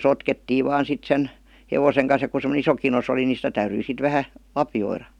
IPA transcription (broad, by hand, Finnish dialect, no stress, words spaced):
sotketːiːʋ ʋɑːn sit sen neʋoseŋ kɑn̞s jɑ ku semə̆nĕ iso kinos oli ni sitæ tæyryi sit ʋæhæ lɑpjoirɑ